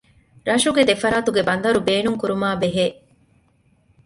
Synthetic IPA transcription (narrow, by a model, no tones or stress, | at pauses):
ɾɐʃuɡed̪efɐɾaːt̪uɡebɐnd̪ɐɾubeːnuŋkuɾumaːbeɦeː